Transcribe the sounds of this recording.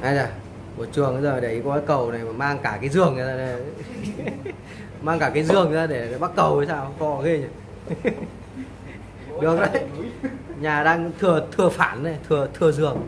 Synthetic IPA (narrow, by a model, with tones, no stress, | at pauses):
ʔaː˧jzaː˨˩ | mo˨˩t͡ɕɨ˨˩əŋa˨˦zəː˨˩˨ɗe˨˧˩i˨˦kɔ˧aː˨˧˦jkə˨˩wna˨˩jma˨˩maː˧ŋkaː˧˩kaː˨˦jzɨ˨˩əŋ˨˩zaː˧ɗe˧˩ | maː˧ŋkaː˧˩kaː˨˦jzɨ˨˩əŋ˨˩zaː˧ɗe˧˩˨ɓa˦˥k̚kə˨˩wə˨˦saː˧wkɔ˧˩˧ɣi˧ɲa˨˩ | ɗɨ˨˩ək̚zə̰ː˧˩j | ɲaː˨˩ɗaː˧ŋt̪ʰɨ˨˩ət̪ʰɨ˨˩əfaː˧˩nːa˨˩jt̪ʰɨ˨˩ət̪ʰɨ˨˩əzɨ˨˩əŋ